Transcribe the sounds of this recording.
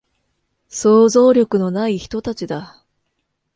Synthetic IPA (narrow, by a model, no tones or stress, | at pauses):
so̞ːzo̞ːɾʲo̞kɯ̟no̞naiçi̥t̪o̞t̪at͡ɕid̪a